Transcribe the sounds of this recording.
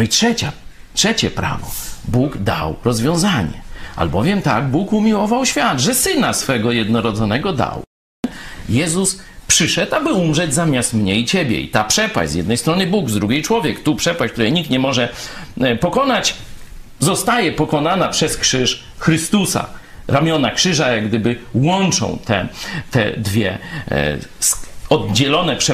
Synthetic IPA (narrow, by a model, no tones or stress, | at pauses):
nɔitʂɛt͡ɕa | tʂɛt͡ɕɛpɾa̰vɔbuɡd̪a̰wɾɔzvʲjɔ̃w̃zaɲɛ̰a̰lbɔvʲjɛmt̪a̰ɡbukumʲiwɔvawɕfʲjad̪ʐɛsɘnasfɛɡɔjɛd̪nɔɾɔd̪zɔnɛɡɔd̪a̰w | jɛzus | pʂɘʂɛt̪abɘumʐɛd͡ʑzamʲjast̪mɲɛit͡ɕebʲjɛ̰ḭt̪apʂɛpwa̰ɕzʲjɛ̰d̪nɛjst̪ɾɔnɘbuɡzd̪ɾuɡʲejt͡ʂwɔvʲjɛkt̪upʂɛpaɕk̚t̪uɾɛjɲik̚t̪ɲɛmɔʐɛ | pɔkɔnat͡ɕ | zɔst̪ajɛpɔkɔnanapʂɛskʂɘʂ | xɾɘst̪usa̰ | ɾʔamʲjɔnakʂɘʐajaɡd̪ɘbɘwɔnt͡ʂɔ̰̃w̃t̪ʰɛ̰t̪ɛ̰d̪vʲjɛ̰ | sɔd̪̚d͡ʑɛlɔnɛpʂɛ